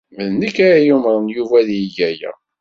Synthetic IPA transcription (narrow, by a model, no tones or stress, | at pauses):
məðnikaɾajumɾˤnjuvæðjijæjæ̰